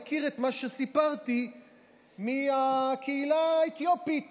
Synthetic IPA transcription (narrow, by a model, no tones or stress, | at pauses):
kiʁet̪maʃesipaʁt̪i | miakʰeilaet̪jopit̪